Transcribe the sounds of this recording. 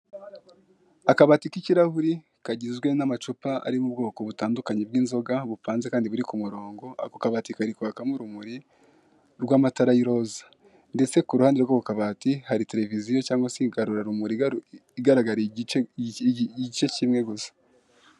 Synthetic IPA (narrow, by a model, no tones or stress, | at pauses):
akaβaːtikiciɾahuɾi | kaɟizɡwe̞namat͡ʃupaa̰ɾimubɡo̞ːko̞βutaːndukaɲeb̚ɡiːnzo̞ɡaβupaːnzekaːndiβuɾikumuɾo̞ːŋɡo̞a̰kukaβaːtikaɾikuβakamuɾumuɾi | ɾɡwaːmataɾajiɾo̞zḁ | nde̞t͡se̞kuɾuhaːndeɡoβukaβaːtihaɾite̞ɾe̞vizijo̞caːŋɡwasiɡaɾuɾaɾumuɾiiɡaɾaɡaɾi | ɟit͡ʃeciːmŋe̞ɡuzḁ